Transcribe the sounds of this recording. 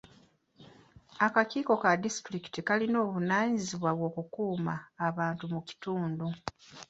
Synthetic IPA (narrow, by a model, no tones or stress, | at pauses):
akaciːko̞kadisi̥tɾiki̥tikalino̞ːβunaːɲiziβwaβwo̞ːkukuːmaːβaːntumuci̥tuːndu